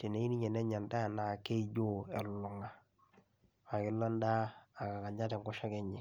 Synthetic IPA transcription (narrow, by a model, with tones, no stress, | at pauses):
te˨ne˨i˦ni˦ɲɛ˨nɛ˦ɲa˨nda˦˨na˨ke˦d͡ʒo˦ɛ˨lʊ˨ŋa˨ | kɪ˦lːɔ˦ndaː˦˨ka˨ka˨ɲa˦tɛ˨ŋkɔ˦ʃa˦kɛ˦ɲɪ˨